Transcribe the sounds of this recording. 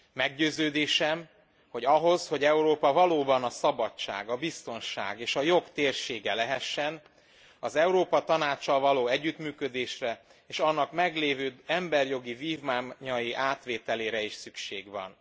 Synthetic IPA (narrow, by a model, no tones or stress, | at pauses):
mɛɡɟøːzøːd̪eːʃɛm | ho̞ɟɒɦo̞zho̞ɟɛuɾoːpɒvɒloːbɒnɒsɒbɒt͡ʃːa̰ːɡɒbist̪o̞nʃa̰ːɡeːʃɒjo̞kt̪eːrʃeːɡɛlɛɦɛʃːɛn | ɒzɛuɾoːpɒt̪ɒnaːt͡ʃːɒlvɒloːɛɟːyt̪myːkø̞d̪eːʃrɛ | eːʃɒnːɒkmɛɡleːvøːɛmbɛrjo̞ɡiviːvmaːɲɒjiʔaːt̪ʋeːt̪ɛleːɾɛiʃsykʃḛːɡvɒ̰n